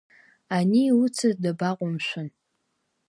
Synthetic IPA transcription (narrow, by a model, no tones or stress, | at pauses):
aniwʊt͡sʰɨzdabaqʷʼʊmʃʷʊn